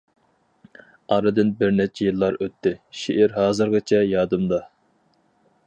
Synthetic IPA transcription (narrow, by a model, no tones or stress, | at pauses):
ɑɾɨd̪ɨnbɪɾnɛt͡ʃʰɛjilˠːɑɾøt̪ʰːɪʃeʔɪɾɦɑːzɨɾʁɨt͡ʃʰɛjɑːd̪ɨmd̪ɑ